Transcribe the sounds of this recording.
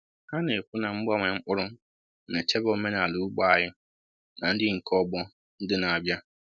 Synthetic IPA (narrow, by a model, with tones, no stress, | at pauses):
ha˦ne˨kʷu˦na˨ŋ͡m̩˦ɡ͡ba˦ŋʷe˨ŋ͡m̩˦k͡pʊ˦ɾʊ˦ | ne˨t͡ʃe˦bɔ˦me˦na˨lu˨u˦ɡ͡ba˦a˨ɦɪ˦ | na˨n̩˦dɪ˦ŋ̩˨kɔ˦ɡ͡bɔ˦ | n̩˦dɪ˦na˨a˨bja˦